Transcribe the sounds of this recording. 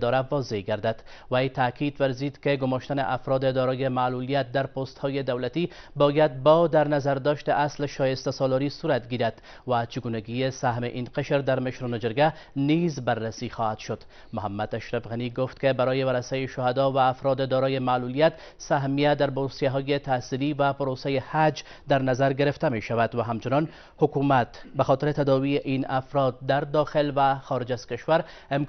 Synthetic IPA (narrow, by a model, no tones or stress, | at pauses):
d̪ɔɾavɒzeɡaɾd̪ad̪wajt̪aːkid̪waɾzid̪keɡʊmɔʃt̪anḛʔafɾɔd̪ed̪ɔɾɔjemaːlulijat̪̚d̪aɾpost̪hɔjed̪awlat̪i | bɔjad̪̚bɔd̪aɾnazaɾd̪ɔʃt̪eʔaslʃɔjest̪asɔlɔɾisuɾat̪ɡiɾad̪ | wat͡ʃɪɡunaɡijesaɦmḛʔinqeʃɾd̪aɾmɪʃɾɔned͡ʒɪɾɡa | nizbarːasixɔhat̪ʃʊd̪̥ | mʊɦamːad̪aʃɾafɣaniɡoft̪kebaɾɔjeβaɾasajeʃʊhad̪ɒvaːfɾɔd̪ed̪ɔɾɔjemalulijat̪ | saɦmijad̪aɾbosijaɦɔjet̪aːsilivapʊɾosajehad͡ʒ | d̪aɾnazaɾɡɪɾɪft̪ameʃaβad̪waɦamt͡ʃɪnɒn | hʊkumat̪baxɔt̪ɪɾet̪ad̪ɒβijeʔinafɾɔd̪̚ːaɾd̪ɒxɪlvaxɔɾɪd͡ʒaz̥kɪʃwaɾ | ɪm